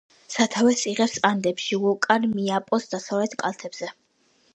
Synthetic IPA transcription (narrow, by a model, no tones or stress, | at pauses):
sat̪ʰavɛsiʁɛpsand̪ɛpʃiukʼaɾmiapʼɔsd̪asavlɛt̪ʰkʼa̰lˠt̪ʰɛbz̥ɛ